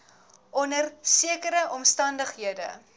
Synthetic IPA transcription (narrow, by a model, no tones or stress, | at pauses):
ʔɔnərsiəkəɾəʔɔmstɐndəχɦiədə̰